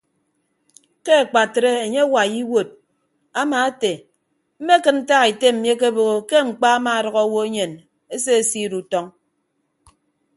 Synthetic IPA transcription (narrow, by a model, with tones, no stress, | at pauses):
ke˦a˨k͡pa˨tɾe˦e˨ɲe˦wa˨ji˦wo˨t̚ | a˦maː˨e˦te˨ | m̩˦me˦kɨ˦nn̩˦ta˦ɣi˨te˦m̩˨mje˦k̬e˦bo˨ɣo˨ke˦ŋ͡m̩˨k͡pa˦a˦ma˨ɾɔ˨ɣɔ˦wo˦e˦ɲe˨n | e˦s̬e˦e˨si˦ɾu˨tɔ˦ŋ